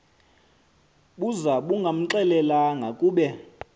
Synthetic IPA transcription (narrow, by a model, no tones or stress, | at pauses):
ɓuzaɓuŋɡʱam̩ǁɛlɛlaŋɡʱakʼuːɓɛ